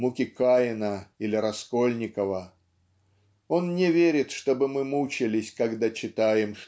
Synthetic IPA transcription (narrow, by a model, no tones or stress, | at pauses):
mukʲɪkajɪnəilʲɪɾɐsko̞lʲnʲɪkəvə | o̞nnʲɪvʲeɾʲɪt̪ʂt̪o̞bɨmɨmut͡ɕɪlʲɪsʲkɐɡd̪at͡ɕɪt̪ajɪmʂ